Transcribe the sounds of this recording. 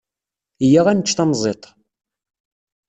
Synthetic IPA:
jaʁænət͡ʃːt̪ɑmzˤet̪ˤ

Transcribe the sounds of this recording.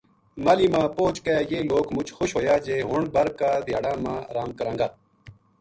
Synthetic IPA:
maːliːmãːpoːt͡ɕkejeːloːkmʊt͡ʃxoɕɦoːjaːd͡ʑeːɦoɳɖ̚bɐɾkaːd̪ijaːɽãːmãːɾaːmkɐɾãːŋɡaː

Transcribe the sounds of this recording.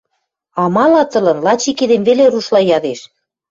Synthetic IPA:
ɑmɑlɑt̪ɤ̆lɤ̆nlɑt͡ɕiked̪emveleɾuʃlɑjɑðeʃ

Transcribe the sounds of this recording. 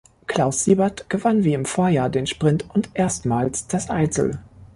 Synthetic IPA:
kʰl̥aʊsːiːbɐtɡ̥əvanviːɪmfoːɐjaːɐdeːnʃpʁ̥ɪntʊntʔeːɐstmaːlsd̥asʔaɪt͡sl̩

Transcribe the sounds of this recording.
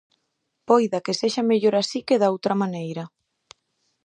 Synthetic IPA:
pojðakeseʃameʎoɾasikeðaowt̪ɾamanejɾɐ

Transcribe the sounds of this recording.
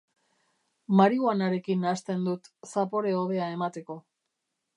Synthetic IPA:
maɾiuanaɾe̞kinast̪e̞nd̪ut̪sapo̞ɾe̞o̞βe̞ae̞mat̪e̞ko̞

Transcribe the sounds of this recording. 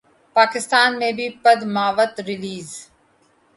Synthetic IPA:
paːkɪst̪aːnmẽbʱipɐd̪maːʋət̪ɾɪliːz

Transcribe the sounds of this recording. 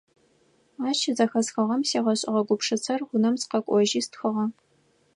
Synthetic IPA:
aːt͡ʃʰɪzɐxɐsxɐʁɐmseːʁɐɕʼɪ̰ʁɐɡʷʊpʂɨt͡sʰɐrʁʷʊnɐmzqɐkʷʼɔʒiːstxɐʁɐ

